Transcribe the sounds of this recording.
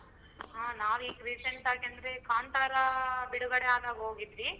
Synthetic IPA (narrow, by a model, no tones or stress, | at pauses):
ɦaːnaːʋiːkɾiːseɳʈaːɡiɐnd̪ɐɾe̞kaːnt̪aːɾɐbiɽuɡɐɽeaːd̪aːɡɦoːɡid̪ɾi